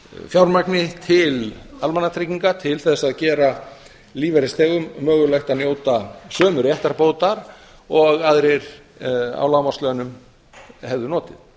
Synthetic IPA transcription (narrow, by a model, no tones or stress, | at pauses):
fjawɾmaknɪt̪ʰɪlalmanːat̪ʰɾɪciŋkat̪ʰɪlθɛsːaðcɛːɾa | liːvɛɾɪst̪ʰɛːɣʏmːœːɣʏlajxt̪aðnjoːwt̪asœːmʏɾjɛht̪aɾpoːwt̪aɾ | ɔɣaðɾejɾ̥ | a̰wlawmast̪lœnʏm | hɛvðʏnɔːt̪ɪð